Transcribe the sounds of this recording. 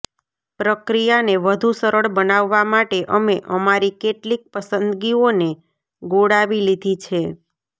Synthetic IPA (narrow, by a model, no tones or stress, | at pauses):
pɾəkɾijaneʋəd̪ʱusəɾəɭbənaʋːamaʈeʔəmeʔəmaɾikeʈlik̚pəsənd̪ɡione | ɡoɽaʋilid̪ʱit͡ʃʰe